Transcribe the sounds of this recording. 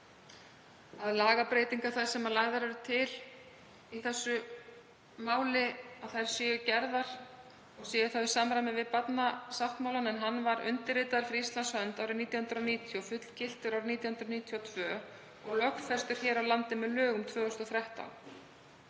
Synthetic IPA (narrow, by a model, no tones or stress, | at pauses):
aðlaːɣapɾeːjt̪iŋkaɾ̥θajsɛmalaːjðaɾɛɾʏt̪ʰɪl | iθɛsːʏ | maːwlɪaðθajɾ̥sjɛːjʏcɛɾðaɾ̥ | ɔɣsjɛːjʏθawisaːmɾajmɛvɪðpat̪nasaft̪mawlanɛnɦanːvaɾʏ̰nt̪ɪɾɪːt̪aðɾfɾiist̪lansfœnt̪aːwɾɪniːt̪jahʏnd̪ɾɔniːt̪ʰjɔfʏt̪lcɪl̥t̪ʏɾawɾniːt̪jahʏnd̪ɾɔniːt̪ʰjɔt̪ʰvœː | ɔɣlœkfɛst̪ʏɾ̥çɛːɾawlant̪ɪmɛðlœːɣʏmt̪ʰvœːɣʏst̪ɔθɾɛht̪a̰wn